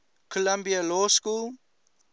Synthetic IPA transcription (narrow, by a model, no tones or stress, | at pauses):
kʰɔlãmbialɔskul